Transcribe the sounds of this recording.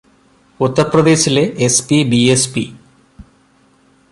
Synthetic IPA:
ut̪ːɐrprɐd̪e̞ːɕileʔespibiespi

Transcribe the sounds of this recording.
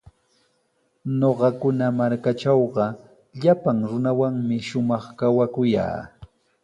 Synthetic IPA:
noɢɑkʊnamaɾkat͡ʃɑwɢɑ | ʎapaŋɾʊnawaŋmɪʃʊmɑχkawakʊja̰ː

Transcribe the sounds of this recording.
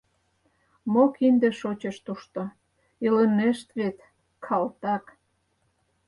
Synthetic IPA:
mokind̪ĕʃot͡ɕəʃt̪uʃt̪o | iləneʃt̪βet̪ | kʰɑlt̪ɑk

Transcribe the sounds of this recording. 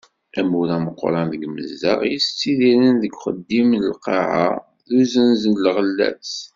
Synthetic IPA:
ʔæmuɾæməqːɾˤɑnðəɡmə̰zːə̰ʁjəst͡sːiðiɾənðəɡχəd̪ːimləlqɑʕa̰ | ðuzənzənlʁəlːæ̰s

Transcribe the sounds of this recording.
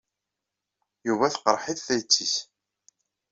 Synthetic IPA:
juvæθqəɾˤħiθθæjt͡sːis

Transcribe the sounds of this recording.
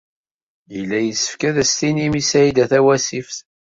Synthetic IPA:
jəlːæjəsə̥fkæðæst̪inimisæid̪æθæwæsifθ

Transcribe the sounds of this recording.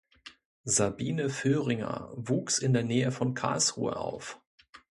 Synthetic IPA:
zabiːnəføːʁɪŋɐ̰vuːksɪndeːɐnɛːəfɔnkʰa̰ːlsʁ̥ṵːə̰ʔa̰ʊf

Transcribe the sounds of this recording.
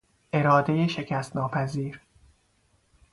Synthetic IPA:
ʔe̞ɾɒːd̪e̞jeʃe̞cʰæst̪nɒːpʰæziːɾ

